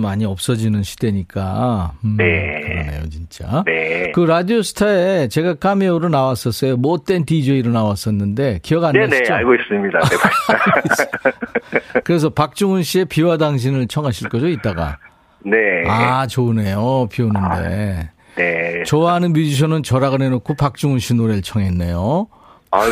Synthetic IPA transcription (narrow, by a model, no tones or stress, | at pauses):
maɲiʌp̚s͈ʌd͡ʑinɯnɕʰi̥d̥e̞ɲik͈a̰ɯnekɯɾʌnḛjo̰t͡ɕint͡ɕ͈a̰nekɯɾadiosʰɯ̥tʰaet͡ɕe̞ɡak͈ameoɾonawas͈ʌs͈ʌjomʌt̚t͈e̞ntid͡ʑeiɾonawas͈ʌnːɯnde̞kiʌɡaneneaɭɡois͈ɯmɲidae | kɯɾe̞s̬ʰʌpak̚t͡ɕ͈uŋunɕ͈ie̞piwadaŋɕ̬ʰinɯɭt͡ɕʰʌŋɦaɕʰiɭk͈ʌd͡ʑoit̚t͈aɡa̰ | neat͡ɕone̞jopionɯnde̞̰ | net͡ɕʌwaɦanɯnmjud͡ʑiɕ̬ʰʌnɯnt͡ɕʌɾaɡɯnenokʰopak̚t͡ɕ͈uŋunɕʰinoɾe̞ɯɭt͡ɕʰʌŋe̞nːḛjo